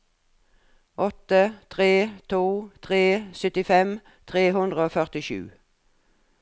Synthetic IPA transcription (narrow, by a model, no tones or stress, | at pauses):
ʔɔt̪ət̪ʰʁeːt̪ʰuːt̪ʰʁeːsʏt̪ɪfɛm | t̪ʰʁeːhʉnd̪ʁəoːfœʁt̪ɪʃʉ̰ː